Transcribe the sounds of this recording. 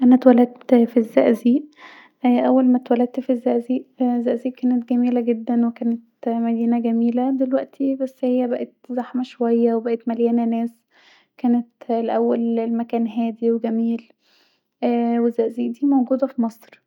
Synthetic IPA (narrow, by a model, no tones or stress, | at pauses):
ʔænæt̪wælæd̪t̪fizːæʔziːʔ | ʔʔæwːælmæt̪wælæd̪̚t̪fizːæʔziːʔzːæʔziːʔkæːnet̪ɡæmiːlæɡed̪ːænwekæːnet̪mæd̪iːnæɡæmiːlæd̪elwæʔt̪ʰibæsːhejːæbæʔet̪zaħmæʃowæjːæwebæʔet̪mæljæːnænæːs | kæːnet̪leʔæwːælmækæːnɦæːd̪iweɡæmiːlː | wezːæʔziːʔd̪iːmowɡuːd̪æfimɑsˤɾ